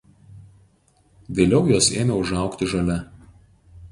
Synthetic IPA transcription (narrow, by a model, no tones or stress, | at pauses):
ʋʲeːlʲɛʊjuɔseːmʲɛʊʒɑˑʊkt̪ʲɪʒɐlʲɛ